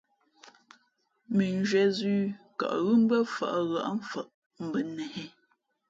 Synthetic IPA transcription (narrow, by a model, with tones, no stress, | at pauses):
mi˨n˦d͡ʒɥɛ˨zʉː˦ka̰˨ʔɣʉ˦m̩˦bə˦fa̰˨ʔɣa̰˨ʔɱ˨fə˨ʔ | m̩˨bə˨nɛ˨hɛ˦